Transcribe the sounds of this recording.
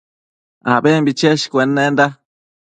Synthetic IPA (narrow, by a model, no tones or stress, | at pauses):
a̰bembit͡ʃeʃkʷenːend̪a